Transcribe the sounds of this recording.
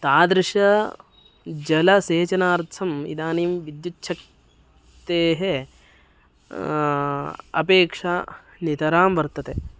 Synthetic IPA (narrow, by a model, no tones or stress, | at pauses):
t̪aːd̪ɾɪʂɐ | d͡ʒɐlɐseːt͡ʃɐnaːɾt̪ʰɐmḭd̪aːniːmʋid̪jut͡ʃʃʰɐk̚ | t̪eːɦe | ɐpeːkʂɐ | nit̪ɐɾaːmʋɐɾt̪ɐt̪e